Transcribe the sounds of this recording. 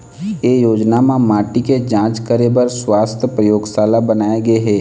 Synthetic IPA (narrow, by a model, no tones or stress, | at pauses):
jeːjoːd͡ʒnamãmaːʈiked͡ʒãːt͡ʃkəɾebəɾswaːst̪ʰəpɾəjoːɡsaːlabənaːeɡəeɦɛː